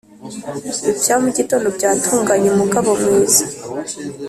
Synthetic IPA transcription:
ivjaomuɟitoːndobɟaːtʰuːŋɡaɲemuɡaβo̞mŋiːzḁ

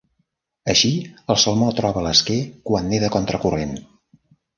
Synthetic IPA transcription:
əʃiəlˠsəlˠmot̪ɾɔβələskekwanːeðəkɔnt̪ɾəkuren

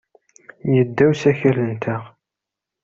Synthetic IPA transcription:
jəd̪ːæwsæçələnt̪ʰæʁ

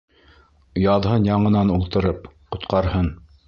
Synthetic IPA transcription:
jɑðɦɤnjɑɴɤ̆nɑnulˠt̪ɤ̆ɾɤpqŏt̪qɑɾhɤn

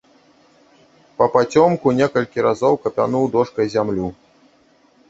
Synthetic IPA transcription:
pɐpat͡sʲɔmkunʲɛkɐlʲkʲiɾazɔwkɐpʲanuwd̪ɔʂkɐjzʲamlʲu

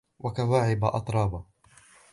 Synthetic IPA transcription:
wʔakawaːʕɪbaʔɑ̰t̪ˤɾˤɑːba

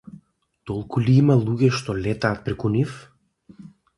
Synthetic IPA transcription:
t̪olˠkuliimalˠuɡʲɛʃt̪ɔlɛt̪aːt̪̚pɾɛkunif

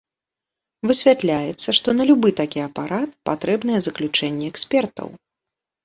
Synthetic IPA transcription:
vɨsʲvʲat̪lʲajɛt̪sːɐʂt̪ɔnɐlʲubɨt̪akʲiɐpaɾat̪̚pat̪ɾɛbn̪ɐjɛzɐklʲut͡ʂɛnʲːɛɛksʲpʲɛrt̪ɐ̰w

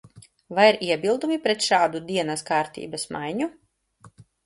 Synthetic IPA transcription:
vajiɾiɛbilˠd̪umipɾɛt̪ʃaːd̪ud̪iɛnɐskaːɾt̪ḭːbɐsma̰jɲu

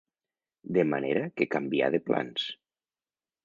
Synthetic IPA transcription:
d̪emaneɾakekambia̰ðepla̰ns

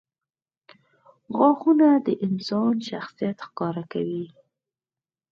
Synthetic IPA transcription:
ɣɑxunad̪əʔɪnsɑnʃaxsijat̪xkɑɾaka̰wi

